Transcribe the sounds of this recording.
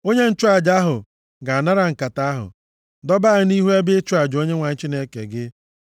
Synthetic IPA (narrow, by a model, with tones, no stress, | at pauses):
o˦ɲe˦n̩˦t͡ʃʊ˦a˨d͡ʒa˦ɦʊ˨ | ɡa˨na˦ɾa˨ŋ̩˨ka˨ta˦ɦʊ̰˨ | dɔ˦ba˦ɪ˨ni˦ɦu˦e˦bɪ˦t͡ʃʊ˦a˨d͡ʒo˦ɲe˦ŋʷa˨ɲ̩˦t͡ʃi˦ne˦kḛ˨ɡɪ˦